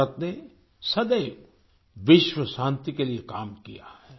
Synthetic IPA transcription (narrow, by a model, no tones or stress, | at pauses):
ət̪ne | sɐd̪əj | ʋɪʃʋəʃãːnt̪ikeliekaːmkijaɦɛː